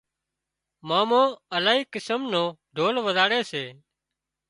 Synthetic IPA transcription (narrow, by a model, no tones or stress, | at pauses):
maːmõːəlaːɦiːkɪsəmnõːɖʱoːlʋəzaːɽeːseː